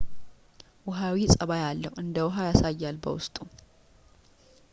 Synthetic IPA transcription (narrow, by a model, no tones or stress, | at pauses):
wʊɦawisʼəβajalːəwʔɨnd̪əwʊɦajasajːalbə̰wʊ̰st̪ʼu